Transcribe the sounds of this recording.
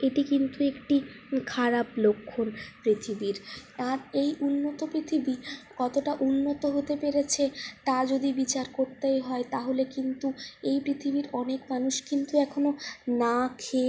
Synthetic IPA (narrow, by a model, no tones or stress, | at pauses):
eʈikint̪uekʈikʰaɾaplokʰːonpɾit̪ʰibiɾaɾejunːot̪opɾit̪ʰibikɔt̪oʈaʔunːot̪oɦot̪epeɾet͡ɕʰet̪ad͡ʑod̪ibit͡ɕaɾkoɾt̪ejɦɔet̪aɦolekint̪uejpɾit̪ʰibiɾɔnekmanuʃkint̪uɛkʰononakʰe